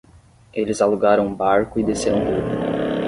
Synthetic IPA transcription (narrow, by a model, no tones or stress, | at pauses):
elɪzaluɡaɾɐ̃w̃ʊbaɾkʊɪd̪eseɾɐ̃w̃t̪udʊ